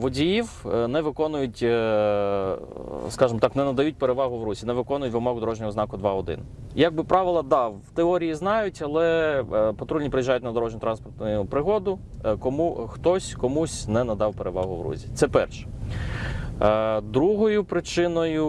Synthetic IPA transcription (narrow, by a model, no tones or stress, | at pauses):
ʋɔdʲijiwnɛʋɪkɔnʊjʊtʲ | skɑʒɪmɔt̪ɑknɛnɐd̪ɐjut̚ʲpeɾeʋɑɦʊʋɾuzʲinɛʋɪkɔnʊjʊtʲʋɪmɔɦʊd̪ɔɾɔʒnʲɔɦɔznɑkʊd̪ʋɑɔd̪ɪ̰n | jaɡ̚bɪpɾɑʋɪlˠɐd̪ɑwt̪eɔɾʲijiznɑjʊtʲɐlˠɛpɔt̪ɾulʲipɾɪjiʒajʊtʲnɐd̪ɔɾɔʒnʲʊt̪ɾɑnspɔrt̪nʊjʊpɾɪɦɔd̪ʊ | kɔmuxt̪ɔsʲkɔmusʲnɛnɐd̪ɑwpeɾeʋɑ̰ɦʊʋɾṵzʲit̪sɛpɛrʃɛ̥ | d̪ɾuɦɔjʊpɾɪt͡ʃɪnɔjʊ